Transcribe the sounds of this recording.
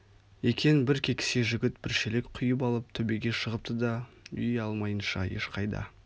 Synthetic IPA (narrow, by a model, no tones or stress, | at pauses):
ekʲʰe̞nɪbɪɾkʲʰe̞kʲɪ̥se̞ʒʏɡʲɪt̪̚bɪɾʃelekʲqʰʊjəp̬ɑlˠəp̚t̪ʰɵbe̞ɡʲe̞ʃəʁəp̚t̪əd̪ɑ | ʏ̰jɑlˠmɑjənʃɑ̰jḛʃqʰɑjd̪ɑ̰